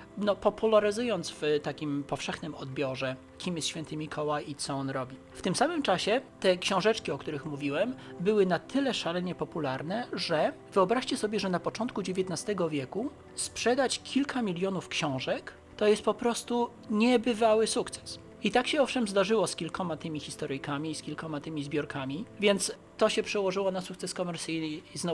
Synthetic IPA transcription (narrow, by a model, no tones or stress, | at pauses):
nɔpɔpulaɾɘzujɔnt̪svt̪akʲimpɔfʂɛxnɘmɔd̪̚bʲjɔʐɛ | kʲimjɛst̪ɕfʲɛnt̪ɘmʲikʰɔwajit̪sɔɔnɾɔbʲi | ft̪ɘmsamɘmt͡ʂaɕɛt̪ɛkɕɔ̃w̃ʐɛt͡ʂkʲiɔkt̪uɾɘxmuvʲiwɛmbɘwɘnat̪ʰɘlɛʂalɛɲɛpɔpulaɾnɛʐɛ | vɘɔbɾaʂt͡ɕɛsɔbʲjɛʐɛnapɔt͡ʂɔnt̪̚kud͡ʑevʲjet̪nast̪ɛɡɔvʲjɛku | spʂɛd̪at͡ɕkʲʰilkʰamʲilʲjɔnufkɕɔ̃w̃ʐɛk | t̪ɔjɛst̪̚pɔpɾɔst̪u | ɲɛbɘvawɘsukt̪sɛ̥s | it̪akɕɛɔfʂɛmzd̪aʐɘwɔskʲilkɔmat̪ɘmʲixʲist̪ɔɾɘjkamʲiːskʲilkɔmat̪ɘmʲizbʲjɔɾkʰamʲivʲjɛnt̪s | t̪ːɔɕɛpʂɛwɔʐɘwɔnasukt̪sɛskɔmɛɾt̪sɘjnɘznɔ